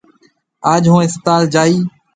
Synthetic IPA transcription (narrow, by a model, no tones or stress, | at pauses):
aːd͡ʒɦũːɪst̪aːld͡ʒaːiː